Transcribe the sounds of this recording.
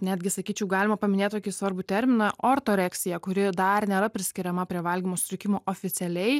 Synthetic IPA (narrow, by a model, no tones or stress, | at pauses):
nʲæːd̪ʲɡʲɪsɐkʲiːt͡ʃʲɛʊɡɑːlʲɪmɐpɐmʲɪnʲeːt̪t̪oːkʲɪsʋɐɾbʊt̪ʲɛɾʲmʲɪnɑʔoːrt̪oːɾʲæːksʲɪjɛkʊɾʲɪd̪ɐrnʲeːɾɐpʲɾʲɪsʲkʲɪɾʲɛmɐpʲɾʲiɛʋɐlʲɡʲimoːsʲʊsʲɾʲɪkʲɪmoːʔoːfʲɪt̪ʲɛlʲɛɪ